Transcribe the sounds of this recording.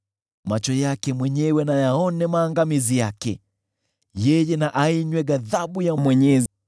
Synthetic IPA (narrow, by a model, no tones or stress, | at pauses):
mat͡ʃɔjakɛmwɛɲɛwɛnajaɔnɛmaːŋɡamizijakɛ | jɛjɛnaʔaiɲwɛɡaðaɓujamwɛɲɛz